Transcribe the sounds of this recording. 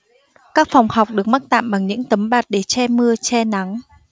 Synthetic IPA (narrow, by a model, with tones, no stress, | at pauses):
kaː˦˥k̚fɔ˨˩wŋ͡mha˨˩wk͡p̚ɗɨ˨˩ək̚ma˦˥t̚t̪a̰ː˧˨mɓa˨˩ŋɲɨ̰˧˥ŋt̪ə˨˦mɓaː˨˩t̚ɗe˧˩t͡ɕɛ˧mɨ˧ət͡ɕɛ˧na˨˦ŋ